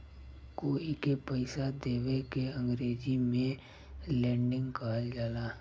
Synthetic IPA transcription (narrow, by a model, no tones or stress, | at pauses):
koikepəɪsad̪eːwekeə̃ŋɡɾeːd͡ʒimẽ | lɛ̃ːɳɖɪ̃ŋɡkaːld͡ʒaːlaː